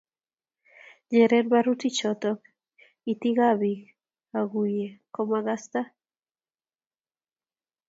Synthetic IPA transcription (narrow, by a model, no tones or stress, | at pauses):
ɲɛɾɛnbaɾut̪it͡ʃɔt̪ɔk | it̪iɣaβi | aɡujekɔmaɣast̪a